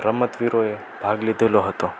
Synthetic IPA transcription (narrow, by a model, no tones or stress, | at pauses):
ɾəmət̪ʋiɾoe | bʱaɡlid̪ʱeloɦət̪o